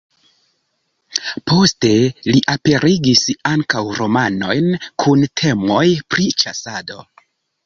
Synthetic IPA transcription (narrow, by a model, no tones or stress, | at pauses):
po̞ste̞liʔape̞ɾiɡisaŋkawɾo̞mano̞jnkʰuntʰe̞mo̞jpɾit͡ʃasado̞